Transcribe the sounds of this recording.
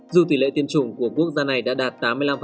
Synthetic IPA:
zu˨˩t̪̬i˨˧˩lḛ˧˨t̪i˧mt͡ɕʊ˨˧˩ŋ͡mku˧˩əku˦˥ək̚zaː˧na˨˩jɗa̰ː˧˥ɗaː˨˩t̚t̪aː˨˦mːɨ˧əjla˧mf

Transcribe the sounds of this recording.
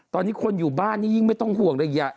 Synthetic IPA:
t̪ɔː˧nːiː˦˥kʰo˧njuː˨˩baː˥˩nːiː˥˩ji˥˩ŋma˥˩jt̪ɔ˥˩ŋhu˨˩əŋda˧˩ja˧˩

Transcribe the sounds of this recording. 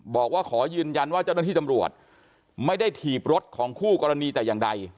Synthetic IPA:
bɔː˨˩k̚waː˥˩kʰɔː˩˦jɯː˧nja˧nwaː˥˩t͡ɕa˥˩n˥˩t̪iː˥˩t̪a˧mɾu˨˩ət̪̚ | ma˥˩jda˥˩jt̪ʰiː˨˩p̚ɾo˦˥t̪̚kʰɔː˩˦ŋkʰuː˥˩kɔː˧ɾa˧niː˧t̪ɛː˨˩jaː˨˩ŋda˧j

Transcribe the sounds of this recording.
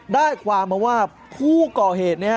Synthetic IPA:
daː˥˩jkʰwaː˧mːa˧waː˥˩ | pʰuː˥˩kɔː˨˩ɦeː˨˩t̪̚ni˦˥ɐ˦

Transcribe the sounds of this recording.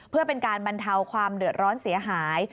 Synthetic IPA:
pʰɯ˥˩ɐpe˧nkaː˧nba˧nt̪ʰa˧wkʰwaː˧mdɯ˨˩ət̪̚ɾɔː˦˥nsi˩˦ɐɦaː˩˦j

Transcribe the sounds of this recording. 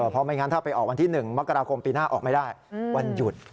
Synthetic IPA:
ɤː˧˩pʰɔ˦˥ma˧˥jŋa˦˥nt̪ʰa˥˩pa˧jʔɔː˨˩k̚wa˧nt̪ʰiː˥˩nɯ˨˩ŋma˦˥kːa˧ɾaː˧kʰo˧mpiː˧naː˥˩ʔɔ̰ː˨˩k̚ma˥˩jdaː˥˩jwa˧nju˨˩t̪̚

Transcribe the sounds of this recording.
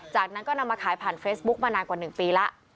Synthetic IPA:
t͡ɕaː˨˩k̚na˦˥nkɔː˥˩na˧mːaː˧kʰaː˨˩˦jpʰaː˨˩nfeː˦˥bu˦˥k̚maː˧naː˧nkwaː˨˩nɯ˨˩ŋpiː˧la˦˥ʔ

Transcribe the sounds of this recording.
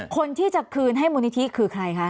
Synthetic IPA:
kʰo˧nt̪ʰiː˥˩t͡ɕa˨˩kʰɯː˧nɦa˥˩jmuː˧ni˦˥t̪ʰi˦˥kʰɯː˧kʰɾa˧jkʰa˦˥ʔ

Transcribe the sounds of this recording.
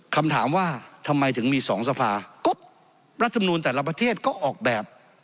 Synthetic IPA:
kʰa˧mt̪ʰaː˩˦mwaː˥˩t̪ʰa˧mːa˧jt̪ʰɯ˩˦ŋmiː˧sɔː˩˦ŋsa˧pʰaː˧ko˦˥p̚ | ɾa˥t̪ʰːm˧nuː˧nt̪̬ɛː˨˩la˦˧p̬ɾa˧t̪ʰeː˥˩t̪̚kɔː˥˩ʔɔː˨˩k̚bɛː˨˩p̚

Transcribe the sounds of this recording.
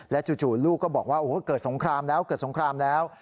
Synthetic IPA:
lɛ˦˥t͡ɕuː˧˩t͡ɕuː˨˩t̪luː˥˩kːɔː˥˩bɔː˨˩k̚waː˥˩ʔoː˨˩˦kɤː˨˩t̪̚so˩˦ŋkʰɾaː˧mlɛː˦˥wkɤː˨˩t̪̚so˩˦ŋkʰɾaː˧mlɛː˦˥w

